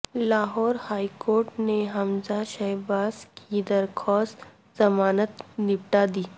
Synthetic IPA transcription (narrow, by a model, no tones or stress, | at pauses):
laːɦɔːɾhaːikoːɾʈneɦɐmzaʃɐɦbaːskʰid̪ɐɾxʰɔːs | zɐmaːnət̪nɪpʈad̪iː